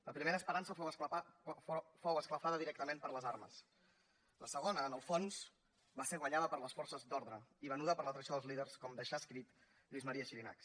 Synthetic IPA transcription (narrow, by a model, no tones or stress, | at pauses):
ləpɾimeɾəspəɾansəfows | fowəskləfaðəðiɾɛk̚t̪əmempəɾləzaɾmə̰s | ləsəɣ̞onəːnəlˠfons | baseɾɣwəɲaðəpəɾləsfɔrsəzd̪ɔɾðɾəiβanuðəpəɾlət̪ɾəsjoðəzlið̞əɾskɔmd̪əʃaskɾit̪ | ʎizməɾiəʃiɾina̰ks